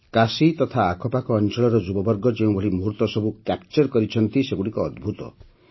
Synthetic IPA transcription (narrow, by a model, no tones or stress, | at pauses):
kasit̪ɔt̪ʰaːkʰɔpakɔːnt͡ʃɔɭɔɾɔd͡ʒubɔbɔɾɡɔd͡ʒeũbʱɔɭimuɦuɾt̪ɔsɔbukap̚t͡ʃɔɾkɔɾit͡ʃʰɔnt̪iseɡuɽikɔːd̪bʱut̪ɔ̰